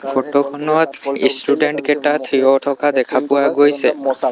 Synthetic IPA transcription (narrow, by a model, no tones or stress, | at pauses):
pʰoʈokʰɔnɔt̪ḭsʈuɖeɳʈkɛʈat̪ʰiɔʈʰɔkad̪ɛkʰapʊwaɡojsɛ